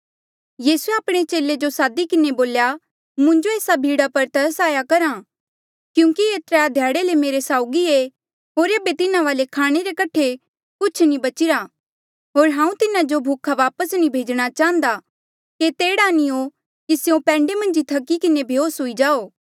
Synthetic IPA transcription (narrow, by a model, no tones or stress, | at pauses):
jiːsueaːpɽ̃et͡ʃeːled͡ʒosaːd̪ikɪneboːlja | mʊ̃ɲd͡ʒoeːsabʱiːɽapɐɾt̪ɐɾəsaːjakɐɾã | kjũːkieːt̪ɾead̪ʱjaːɽelemeːɾesaːʊɡie | ɦoːɾeːbet̪ɪnãʋaːlekʰaːɽ̃eɾekɐʈʰe | kʊt͡ʃʰnĩbɐt͡ʃɪɾa | ɦoːɾɦãːũt̪ɪnad͡ʒobʱuːkʰaʋaːpəsnĩbʱeːd͡ʒɽ̃at͡ʃaːə̃nd̪a | ket̪eːɽanĩo | kiseõpɛ̃ːɳɖemɐ̃nd͡ʒit̪ʰɐkːikɪnebʱjoːsɦoid͡ʒaːoː